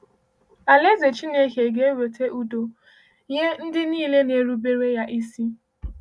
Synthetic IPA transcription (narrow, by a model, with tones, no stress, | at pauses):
a˨le˦ze˨t͡ʃi˦ne˦ɦe˨ɡe˦e˦we˨tʰe˦ʔu˦do˨ | je˦n̩˦dɪ˦niː˦˨le˦ne˨ɾu˦be˦ɾe˦ja˦ʔi˦si˦